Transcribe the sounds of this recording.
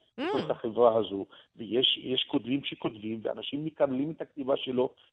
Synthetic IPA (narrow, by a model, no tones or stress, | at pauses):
ekoʁeχaχevʁaɦazuvejeʃjeʃko̞d̪mimʃeko̞t̪vimvea̰naʃimːikablimet̪hak̚t̪ivaʃelo̞